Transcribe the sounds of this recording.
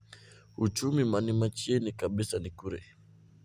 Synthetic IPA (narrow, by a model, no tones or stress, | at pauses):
ut͡ʃumimanimat͡ʃiɛnikaɓisanikuɾɛ̰